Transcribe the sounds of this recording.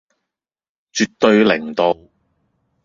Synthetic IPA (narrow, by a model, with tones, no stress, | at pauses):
t͡ʃyː˨t̪̚ːɵ˧ɥlɪ˨˩ŋt̪o˨w